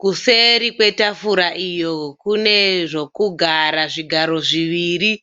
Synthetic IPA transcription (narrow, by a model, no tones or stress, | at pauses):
kuse̞ɾikwe̞tafuɾaʔijo̞kune̞ʐo̞kuɡʱaɾaʐiɡʱaɾo̞ʐiʋiːɾi